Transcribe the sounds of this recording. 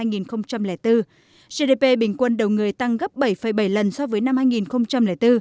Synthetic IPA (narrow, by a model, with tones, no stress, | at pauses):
a˧jŋi˨˩nxə˧wŋ͡mt͡ɕa˧mlɛ˧˩t̪ɨ˧ | ze˧ɗe˧pe˧ɓï˧˩ŋ̟kwə˧nɗə˨˩wŋɨ˨˩əjt̪a˧ŋɣə˦˥p̚ɓə˧˩jfə˧˩jɓə˧˩jlə˨˩nsɔ˧vəː˨˦jna˧mhaː˧jŋi˨˩nxə˧wŋ͡mt͡ɕa˧mlɛ̰˧˩t̪ɨ˧